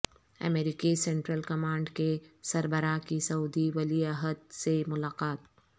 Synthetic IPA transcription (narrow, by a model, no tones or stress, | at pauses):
ɐ̰meːɾɪkisẽːɳʈɾəlkɐmãːɳɖkesɐɾbəɾakisɐuːd̪iʋɐliɐɦəd̪̚semʊlaːqaːt̪̚